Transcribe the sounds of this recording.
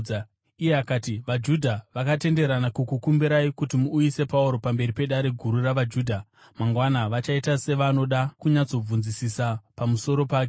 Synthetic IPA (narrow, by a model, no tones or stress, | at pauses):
ijeakaːtiʋad͡ʒudʱaʋakate̞nde̞ɾanakukukumbiɾaikutimuːjise̞pauɾo̞pambe̞ɾipe̞ɗaɾe̞ɡʱuɾuraʋad͡ʒuːdʱa | maŋɡwanaʋat͡ʃaitase̞ʋano̞ɗakuɲat͡so̞b͡vunzisisapamuso̞ɾo̞paːke